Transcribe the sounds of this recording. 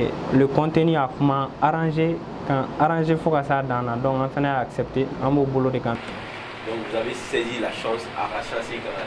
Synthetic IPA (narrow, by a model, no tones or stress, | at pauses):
løkɔ̃ntenyakũmãaɾãʒe | kãaɾãʒefokasadãnãdɔ̃kãfanajaːksɛpteãbobolodekãtu | dɔ̃kvuzavesezilaʃɔ̃sa̰ɾaʃãsekãa